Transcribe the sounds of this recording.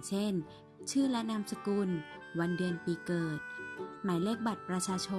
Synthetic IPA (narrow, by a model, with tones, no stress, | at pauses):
t͡ɕʰe˥˩n | t͡ɕʰɯː˥˩lɛ˦˥na˦˥msa˧kuː˧n | wa˧ndɯ˧ənpiː˧kɤː˨˩t̪̚maː˩˦jle˥˩k̚ba˨˩t̪̚pɾa˧t͡ɕʰaː˧t͡ɕʰo˧